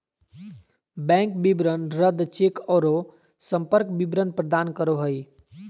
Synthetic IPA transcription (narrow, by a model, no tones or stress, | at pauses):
bɛ̃ŋkbibɾənɾəd̪t͡ʃekɔɾo | səmpəɾk̚bibɾənpɾəd̪aːnkəɾoɦəj